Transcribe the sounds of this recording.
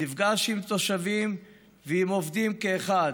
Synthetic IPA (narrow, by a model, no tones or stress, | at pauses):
nivɡaʃimt̪o̞ʃavim | veimo̞vd̪imkeːχad